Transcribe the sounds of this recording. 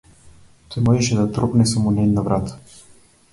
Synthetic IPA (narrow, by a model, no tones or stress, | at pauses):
t̪ɔmɔʒɛʃɛd̪at̪ɾɔpnɛsamunɛnnavɾat̪